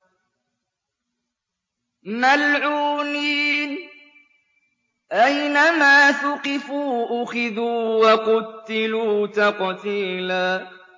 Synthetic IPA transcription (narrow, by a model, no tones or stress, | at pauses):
malʕuːniːn | ʔajnamaːθʊqɪfuːʔʊxɪðuːwɑqʊt̪ːɪluːt̪ɑqt̪iːlaː